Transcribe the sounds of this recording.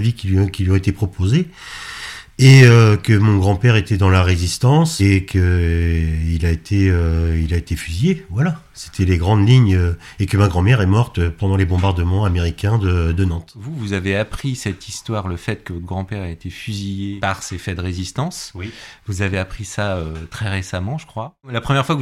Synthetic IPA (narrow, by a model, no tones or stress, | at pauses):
vikʲilɥkʲilɥɔ̃et̪epχɔpoze | eøkəmɔ̃ɡʁɑ̃pɛʁet̪ɛd̪ɑ̃laʁezist̪ɑ̃sekʰə | ilaet̪ʰeøilaet̪efyzijevwala | se̥t̪ʰɛleɡʁɑ̃d̪liɲø | ekəmaɡʁɑ̃mɛʁɛmɔʁt̪øpɑ̃d̪ɑ̃lebɔ̃baʁd̪əmɑ̃ameʁikʲɛ̃d̪əd̪ənɑ̃t̪vuvuzaveapχisɛt̪ist̪waʁləfɛt̪kəvɔt̪ʰɡʁɑ̃pɛʁaet̪efyzijepaʁsefɛd̪əʁezist̪ɑ̃svuzaveapχisaøt̪χɛʁesamɑ̃ʒəkχwalapχəmjɛʁfwak